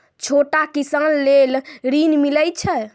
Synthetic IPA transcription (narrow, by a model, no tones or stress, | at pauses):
t͡ʃʰoʈakisənːelɾinmiləjt͡ʃʰɛ